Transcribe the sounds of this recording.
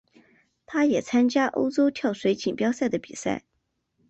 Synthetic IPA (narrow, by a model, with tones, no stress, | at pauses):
t̪ʰa˥jɛ˨˩t͡sʰa˥nt͡ɕja˥ʔo̰˥ʊt͡so˥ʊt̪ʰjɑ˥˩ʊʂwe˧˥ɪt͡ɕʰi˨˩npjɑ˥ʊsa˥˩ɪd̪ə˩pi˨˩sa̰˥˩ɪ